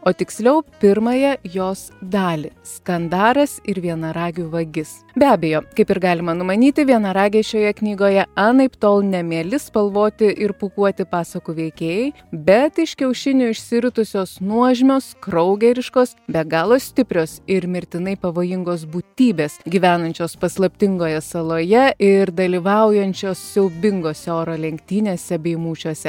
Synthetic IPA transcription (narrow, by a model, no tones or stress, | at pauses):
oːt̪ʲɪksʲlʲɛʊpʲɪɾmɐjɛjoːsd̪ɑːlʲɪskɐnd̪ɑːɾɐsɪɾʋʲiɛnɐɾɑːɡʲuːʋɐɡʲɪs | bʲæːbʲeːjoːkɐɪpɪɾɡɑːlʲɪmɐnʊmɐnʲiːt̪ʲɪʋʲiɛnɐɾɑːɡʲeːʃʲoːjɛknʲiːɡoːjɛɑnɐɪpt̪oːlˠnʲɛmʲiɛlʲɪspɐlˠʋoːt̪ʲɪʔɪɾpuːkuɔt̪ʲɪpɑːsɐkuʋʲɛɪkʲeːjɛɪ | bʲɛt̪ɪʃkʲɛʊʃʲɪnʲʊɪʃʲsʲɪɾʲʊt̪ʊsʲoːsnuɔʒʲmʲoːskɾɐʊɡʲɛɾʲɪʃkoːsbʲɛɡɑːlˠoːssʲt̪ʲɪpʲɾʲoːsɪɾmʲɪɾʲt̪ʲɪnɐɪpɐʋoːjɪŋɡoːs̬buːt̪ʲiːbʲeːsɡʲiːʋʲæːnɐnʲt͡ʃʲoːspɐslˠɐpʲt̪ʲɪŋɡoːjɛsɐlˠoːjɛʔɪɾd̪ɐlʲiːʋɐʊjɛnʲt͡ʃʲoːssʲɛʊbʲɪŋɡoːsʲɛoːɾoːlʲɛŋʲkt̪ʲiːnʲeːsʲɛbʲɛɪmuːt͡ʃʲuɔsʲɛ